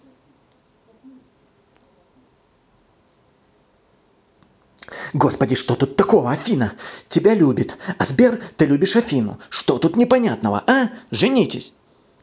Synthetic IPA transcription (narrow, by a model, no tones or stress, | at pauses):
ɡo̞spədʲɪʂt̪ot̪ut̪ːɐko̞vəɐfʲinətʲɪbʲalʲubʲɪt̪ɐzbʲert̪ɨlʲubʲɪʂɐfʲinʊ̰ʂt̪o̞t̪ut̪nʲɪpɐnʲat̪nəvə̰ʔaʐɨnʲitʲɪ̰sʲ